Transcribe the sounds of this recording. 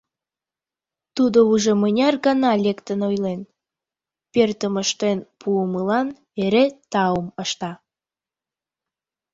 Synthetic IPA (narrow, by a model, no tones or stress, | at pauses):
t̪ud̪ouʒemənʲɑrɡɑnɑlʲekt̪ənojlen | pert̪əməʃt̪enpʰuəməlɑn | eɾet̪ɑuməʃt̪ɑ